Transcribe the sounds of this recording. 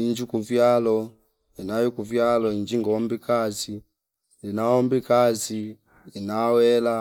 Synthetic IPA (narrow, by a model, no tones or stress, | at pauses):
iɲd͡ʒikuvjalɔ | inajɔkuvjalɔind͡ʒiŋɡɔmbikasi | linaɔmbikazi | inawɛla